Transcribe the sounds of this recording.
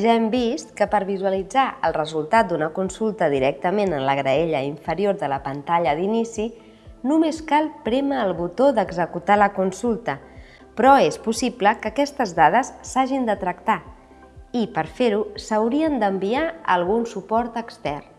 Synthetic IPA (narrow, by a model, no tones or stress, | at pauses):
ʒaɛmbist̪kəpəɾβizwəlid͡zaʔə̰lˠrəzulˠt̪at̪̚d̪unəkunsulˠt̪əðiɾɛk̚t̪əmenənləɣɾəeʎəiɱfəɾioɾðələpənt̪aʎəðinisi | numeskalˠpɾɛməːlˠβut̪oðəɡzəkut̪aləkunsulˠt̪ə | pɾɔespusipləkəkɛst̪əzðað̞əsːaʒind̪ət̪ɾək̚t̪a | ipəɾfeɾusəwɾiənd̪əmbiaəlˠɣunsupɔɾt̪əkst̪ɛr